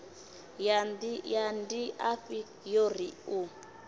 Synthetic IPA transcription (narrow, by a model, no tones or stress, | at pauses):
adjandiʔaɸi | jɔɾiu